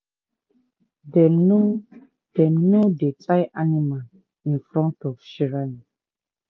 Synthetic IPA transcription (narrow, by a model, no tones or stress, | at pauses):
dɛno | dɛnodetʰajʔanimal | ĩnfɾɔ̃ntɔfʃiɹan